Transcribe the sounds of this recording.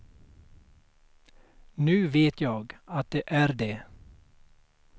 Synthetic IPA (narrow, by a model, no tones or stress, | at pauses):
nʉ̟ːveːt̪ʰjɑːɡat̪̚d̪eʔæɾd̪e